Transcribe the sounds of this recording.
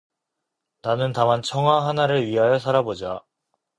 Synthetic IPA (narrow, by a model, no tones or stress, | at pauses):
nanɯntamant͡ɕʰʌŋɦwaɦanaɾɯɭɥiɦajʌs̬ʰaɾabod͡ʑa